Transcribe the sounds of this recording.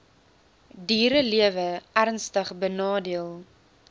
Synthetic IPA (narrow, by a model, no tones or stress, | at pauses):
diːɾəliəvəærnstəχbənɑːdiəlˠ